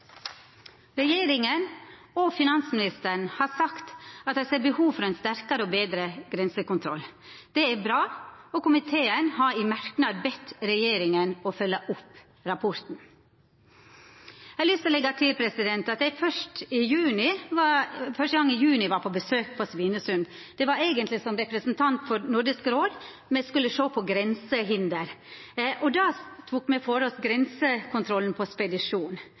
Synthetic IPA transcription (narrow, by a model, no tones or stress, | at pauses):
ɾɛjeːɾɪŋən | ɔfɪnɑnsmɪnɪst̪əɳ̩hɑːɾsɑkt̪ɑt̪̚h̪ɛɪseːɾbəhuːʋfɔɾɛɪnst̪æɾkɑɾəɔːbeːd̪ɾəɡɾɛnsəkʊnt̪ʰɾɔl | d̪̥ɛæɾbɾɑːɔkʊmɪt̪ʰeːənhɑɾimæɾknɑːd̪̚bɛt̪ɾɛjeːɾɪŋənɔfœlːəʔʊp | ɾɑpʰɔɾt̪n̩ | ɛlʏst̪əlɛɡɑt̪ʰɪlpʰɾɛsɪd̪ɛnt̪ɑt̪d̪ɛɪfœʂʈtɪjʉːnɪʋɑfœʂʈəɡɑŋːɪjʉːnɪʋɑɾpʰɔbəsøːk̚pʰɔsʋiːnəsʉnd̪ | d̪̥ɛʋɑɾeːɡənt̪lɪsɔmɾɛpɾəsnt̪ʰɑnt̪fɔɾnʊɾɖɪskəɾoːd̪ | mɛskʉlːəʂoːpʰɔɡɾɛnsəɦɪnd̪əɾʔɔd̪ɑːt̪ʰuːkmɛfoɾɔsɡɾɛnsəkʰʊnt̪ʰɾɔln̩pʰɔspɛd̪ɪʂuːn